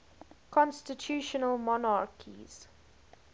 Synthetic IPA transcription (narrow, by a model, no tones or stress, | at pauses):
kʰɔ̃nstɪtʰjuːʃənəlmɔnaɹkʰḭz̥